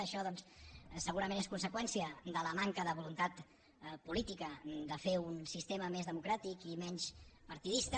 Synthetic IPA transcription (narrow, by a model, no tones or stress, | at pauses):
əʃɔðɔnssəɣuɾəmeneskunsəkwɛnsiəd̪ələmaŋkəðəβulunt̪at̪ | pulit̪ikəd̪əfeunsist̪eməmezðəmukɾat̪ikimɛɲspəɾt̪iðist̪ə